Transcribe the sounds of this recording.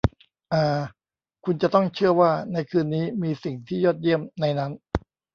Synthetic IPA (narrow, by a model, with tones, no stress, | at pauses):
ʔaː˨˩ | kʰu˧nt͡ɕa˨˩t̪ɔ˥˩ŋt͡ɕʰɯ˥˩ɐəwaː˥˩na˧jkʰɯː˧nːiː˦˥miː˧si˨˩ŋt̪ʰiː˥˩jɔː˥˩t̪̚ji˥˩əmna˧jna˦˥n